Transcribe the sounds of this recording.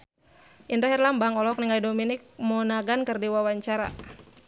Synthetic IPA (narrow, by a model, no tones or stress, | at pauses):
ʔindɔɦɛrlambaŋɔlɔk̚niŋajdominik̚mɔnaɡankɨrdiwawaɲt͡ʃaɾa̰